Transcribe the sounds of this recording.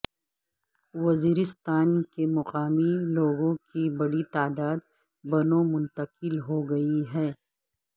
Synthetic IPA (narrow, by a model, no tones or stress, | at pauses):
wɐziːɾɪst̪aːnkemɐqaːmiloːɡõkibɐɽit̪aːd̪aːd̪ | bɐnõmʊ̃nt̪ɐqɪlɦoɡɐiɦɛː